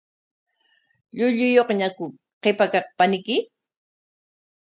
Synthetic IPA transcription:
ʎʊʎʊjoχɲakʊ | qepakɑq̚panɪkɪ

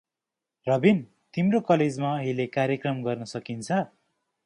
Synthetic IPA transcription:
rʌbin | t̪imrokʌled͡zmaɦilekaɾjekrʌmɡʌrnʌsʌkint͡sʰʌ

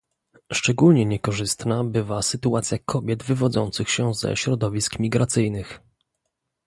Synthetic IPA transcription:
ʂt͡ʂɛɡulɲɛɲɛkɔʐɘst̪nabɘvasɘt̪uat̪sʲjakʰɔbʲjɛd̪vɘvɔd̪zɔnt̪sɘxɕɛzɛ̰ɕɾɔd̪ɔvʲiskmʲiɡɾat̪sɘjnɘx

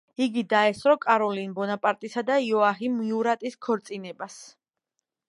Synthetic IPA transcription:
iɡid̪aɛsɾɔkʼaɾɔlinbɔnapʼaɾt̪ʼisad̪aiɔaɦimiuɾat̪ʼiskʰɔɾt̪sʼinɛbas

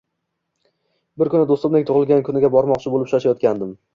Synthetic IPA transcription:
bɪɾkʊnɪd̪ost̪ʊmnɪŋt̪ʰʊʁɨlˠɡʲankʰʊnɪɡʲabɒɾmɒqt͡ʃʰɪbolɪpʃaʃajɒt̪̚kʲand̪ɪm

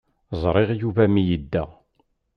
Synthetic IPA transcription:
zˤɾˤeʁjuvæmijid̪ːæ

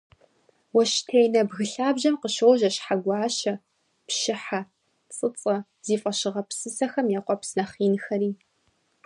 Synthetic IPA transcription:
wɔʃtʰejnɐbɣɨɬaːbʑɐmqəʃowʒɐɕħaɡʷɑːʃɐ | pʃɪħa | t͡sʼɨt͡sʼɐ | z̥iːfʼɐɕɪʁɐpsɨsɐxɐmjɛqʷɔpsnɐχiːnxɐɾiː

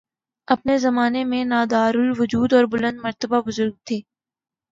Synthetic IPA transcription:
ɐpnezɐmaːnemẽnaːd̪aːɾʊlʋʊd͡ʒuːd̪ɔːɾbʊlə̃nd̪mɐɾt̪əbabʊzʊɾɡ̚t̪ʰeː

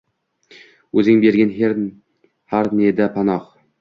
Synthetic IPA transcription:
ɵzɪŋbe̞ɾɡʲanɦeɾ | haɾned̪apʰanɒq

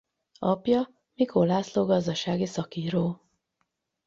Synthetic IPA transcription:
ɒpjɒ | mikolaːsloːɡɒzd̪ɒʃaːɡisɒkiːɾoː

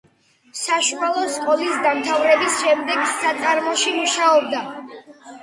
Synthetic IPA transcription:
saʃualˠɔsqʼɔlisd̪amt̪ʰavɾɛbisʃɛmd̪ɛɡsat̪sʼaɾmɔʃimuʃaɔb̚d̪a

